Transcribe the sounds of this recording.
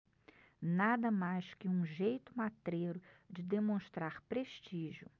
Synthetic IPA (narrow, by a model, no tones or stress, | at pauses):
nad̪ɐmajskɪũʒejt̪ʊmat̪ɾeɾʊd͡ʒɪd̪emõʃt̪ɾaɾpɾeʃt͡ʃiʒjʊ